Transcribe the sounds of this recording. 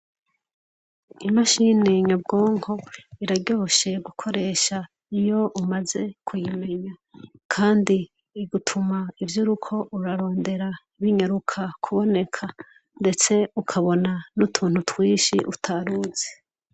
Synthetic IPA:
imaʃineɲabɡo̞ːŋho̞iɾaɟo̞ʃe̞ɡukʰo̞ɾe̞ːʃa | ijo̞ʔumaze̞kʰujime̞ɲakʰaːndiː | ɡutʰumaivjuɾukʰo̞ʔuɾaɾo̞ːnde̞ɾa | βiɲaɾukʰakʰuβo̞ne̞kʰa | nde̞t͡se̞ukʰaβo̞nanutʰuːn̥hutwiːʃiʔutʰaɾuze

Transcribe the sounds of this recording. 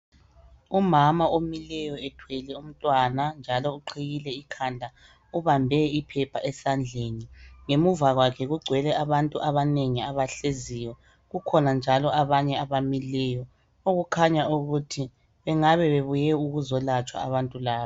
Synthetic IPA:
umamaomilɛjɔɛtʰwelɛum̩tʼwanand͡ʒʱalɔuǃʰiɣilɛikʰandʱa | uβambʱɛipʰɛpʰaʔɛsand͡ɮʱeːniŋemuvaɣwakʰɛɣuɡ͡ǀʱwɛlɛʔaβantʼuʔaβaneŋiaβaɬezijɔ | ɣukʰɔnand͡ʒʱalɔaβaɲɛaβamilɛjɔ | oɣukʰaɲauɣutʰi | βɛŋaβɛβeβujɛuɣuzɔlat͡ʃʼwa̰aβantʼulaːβa

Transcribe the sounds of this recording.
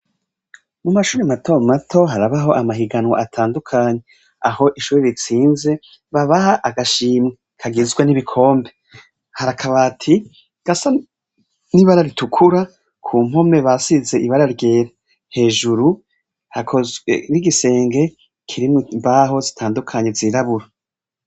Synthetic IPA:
mumaʃuːɾemato̞matʰo̞ɦaɾaβaɦo̞ʔamaɦiɡanwa̰atʰaːndukʰaːɲe̞ | aho̞ʔiʃuːɾeɾit͡siːnze̞ | βaβahaʔaɡaʃiːmŋe | kʰaɡizɡwaniβikʰo̞ːmbe̞ | haɾakʰaβatʰi | ɡ̥asa | niβaɾaɾitukʰuɾa | kʰuːm̥ho̞me̞βasize̞ʔiβaɾaɾɡe̞ːɾa | he̞ːʒuɾu | hakʰoɾiɡise̞ːŋɡe̞ | kʰiɾimmbaɦo̞zitʰaːndukʰaɲe̞ziɾaβuɾa

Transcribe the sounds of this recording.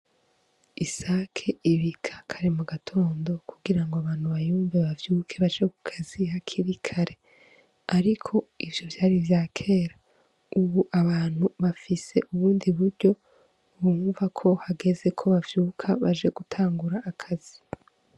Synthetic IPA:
isaːkʰe̞iβikʰḁkʰaɾemoɡatʰo̞ːndo̞kʰuɡiɾaŋɡoaβaːn̥huβajuːɱveβavjuːkʰe̞βaʒekukʰazihakʰiβikʰaɾe̞ | aɾikʰo̞ivjo̞vjaːɾivjaːkʰe̞ːɾa | uβuʔaβaːn̥huβafise̞̰ʔuβuːndiβuɾɟo̞ | βuːɱvakʰo̞haɡe̞ze̞kʰo̞βavjuːkʰaβaʒe̞ɡ̥utʰaːŋɡuɾaʔːkʰazi

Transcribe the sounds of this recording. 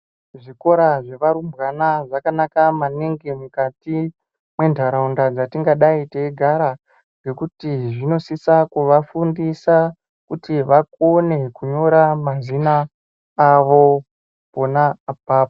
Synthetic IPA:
ʐiko̞ɾaʐe̞ʋaɾumbɣanaʐakanakamaniŋɡimukati | mwe̞ndʱaɾaundad͡zatiŋɡaɗaiteiɡʱaɾa | ŋɡe̞kutiʐino̞sisakuʋafundisa | kutiʋakone̞kuɲo̞ɾamazinaː | ʋo̞ | ponaːp̚aːp̚ḁ

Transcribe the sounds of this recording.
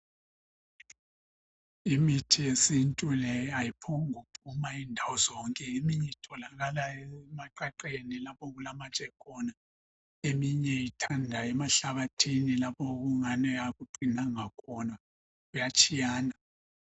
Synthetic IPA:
imitʰijesintʼulɛajipʰɔuŋupʰumaindʱawɔzɔŋkʼɛemiɲɛitʰɔlaɣalaɛmaǃaǃenilapɔɣulamat͡ʃʼɛkʰɔna | emiɲɛitʰandʱaɛmaɬaβatʰinilapʰɔɣuŋanɛaɣuǃʱinaŋakʰɔna | ɣujat͡ʃʼijaːna

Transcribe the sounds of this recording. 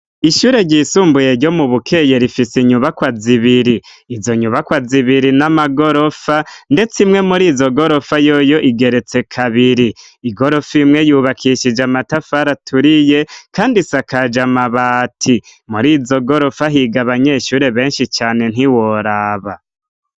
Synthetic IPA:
iʃuːɾe̞ɟisuːmbuje̞ɾɟo̞muβukʰe̞je̞ɾifisiɲuβakwaziβiɾiː | zo̞ɲuβakwaziβiɾinamaɡo̞ɾo̞fande̞t͡simŋe̞muɾiːzo̞ɡo̞ɾo̞fajojo̞ʔiɡe̞ɾe̞t͡se̞kʰaβiɾiː | ɡo̞ɾo̞fimŋe̞juːβakʰiʃid͡ʒamatafaɾatʰuɾije̞kaːndisakad͡ʒamaβaːtʰi | muɾiːzo̞ɡo̞ɾo̞faɦiɡaβaɲeʃuːɾe̞βe̞ːnʃit͡ʃaːne̞n̥iwo̞ɾaːβa

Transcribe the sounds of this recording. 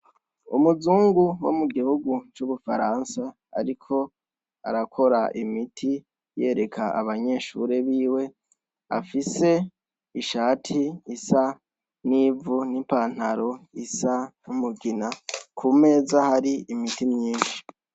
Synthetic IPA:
umuzuːŋɡuwo̰muɡihuɡut͡ʃuβufaɾaːnsa | a̰ɾikʰo̞ | a̰ɾakʰo̞ɾa̰ʔimitʰi | je̞ːɾe̞kʰaʔa̰βaɲe̞ːʃṵɾe̞βiːwe̞ | a̰fise̞ | iʃaːtʰiisa | niːvunimpaːn̥haɾo̞isanumuɡinakʰume̞ːzahaɾiimitimɲiːnʃi̥

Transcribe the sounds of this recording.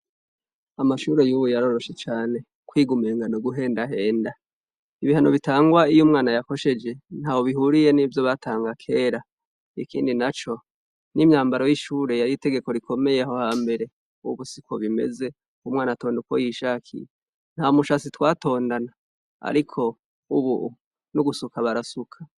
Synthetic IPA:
amaʃuɾejuːβujaɾo̞ɾo̞ʃe̞t͡ʃaːne̞ | kwiːɡumeːŋɡanoɡuɦe̞ːndaɦe̞ːnda | iβihano̞βitaːŋɡwaijumŋaːnajako̞ʃe̞d͡ʒe̞n̥haːwoβiɦuɾije̞niːvjo̞βatʰaːŋɡakʰe̞ːɾa | ikḭːndinat͡ʃo̞ | nimɲaːmbaɾo̞jiʃuːɾe̞jaɾiːte̞ɡe̞ko̞ɾikʰo̞me̞je̞ho̞haːmbe̞ɾe̞ | uuβusiko̞̰βimḛze̞ | umŋaːnato̞ːndukwo̰jiʃakʰḭje | n̥haomuʃasitwaːto̞ːndana | a̰ɾikʰo̞ | uβu | nuɡusukaβaɾasukʰḁ

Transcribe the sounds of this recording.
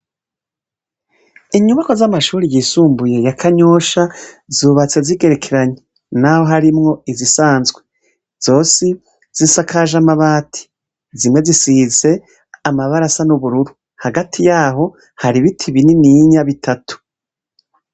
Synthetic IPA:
iɲuβako̞zamaʃuːɾijiːsuːmbuje̞jakʰaɲo̞ːʃa | zuːβat͡se̞ziɡe̞ɾekʰeɾaɲe | naho̞ɦaɾimŋo̞izisaːnzɡwe̞ | z̥o̞ːsi | z̥isakʰaʒamaβaːtʰi̥ | zimŋe̞zisize̞ | amaβaɾasanuβuɾuɾu | haɡatʰijaːɦo̞ | haɾiβitʰiβininiɲaβitʰatu̥

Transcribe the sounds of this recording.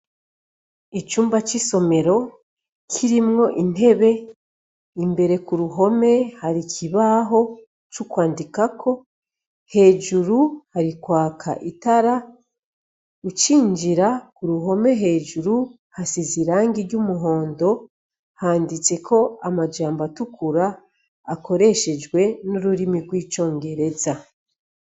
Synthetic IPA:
it͡ʃuːmbat͡ʃiso̞me̞ɾo̞ | kʰiɾimŋo̞ʔin̥e̞βe̞ | imbe̞ɾe̞kuɾuɦo̞me̞haɾikʰiβaɦo̞ | t͡ʃukwaːndikakʰo̞ | he̞ːʒuɾuhaɾikwaːkʰa̰ʔitaɾa | ut͡ʃiːɲd͡ʒiɾakuɾuɦo̞me̞ɦe̞ːʒuɾu | hasiziɾaːŋɡiɾɟumuɦo̞ːndo̞ | haːndit͡se̞kʰo̞amad͡ʒaːmbatukʰuɾaː | ko̞ɾe̞ʃe̞d͡ʒɡwe̞nuɾuɾimiɡwiːt͡ʃo̞ːŋɡe̞ɾe̞za

